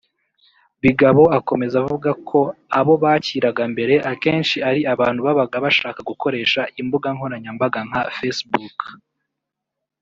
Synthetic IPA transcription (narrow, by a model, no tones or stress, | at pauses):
βiɡaβo̞ako̞me̞zavuɡakʰo̞aβo̞βaciːɾaɡambe̞ɾe̞ʔake̞ːnʃiaɾiaβaːn̥huβaβaɡaβaʃaːkaɡuko̞ɾe̞ːʃaʔimbuɡaŋ̥ho̞ɾaɲambaɡaŋ̥afesbuk